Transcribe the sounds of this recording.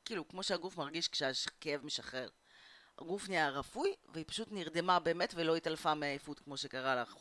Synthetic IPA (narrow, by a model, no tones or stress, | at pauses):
kiːlukmo̞ʃeaɡufmaʁɡiʃkʃeaʃkejevmeʃaχe̞ʁ | a̰ɡufnijaʁafujveipḁʃutniʁd̪e̞mabe̞ːme̞tvelo̞italfameajefutkmo̞ʃekaʁalaχ